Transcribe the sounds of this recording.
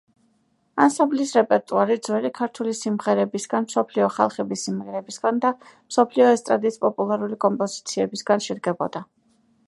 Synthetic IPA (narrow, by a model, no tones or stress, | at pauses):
ansamblisɾɛpʼɛɾt̪ʼuaɾid̪zwɛlikʰaɾt̪ʰulisimʁɛɾɛbisɡanmsɔpʰliɔχa̰lˠχɛbisimʁɛɾɛbisɡand̪a | msɔpʰliɔɛst̪ʼɾa̰d̪ispʼɔpʼulˠaɾulikʼɔmpʼɔzit̪sʰiɛbisɡanʃɛd̪ɡɛbɔ̰d̪a